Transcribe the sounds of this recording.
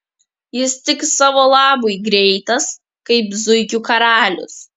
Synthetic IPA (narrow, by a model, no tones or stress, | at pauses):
jɪst̪ʲɪksɑːʋoːlˠɑːboɪɡɾʲɛɪt̪ɐs | kɐɪpzʊɪkʲuːkɐɾɑːlʲʊ̰s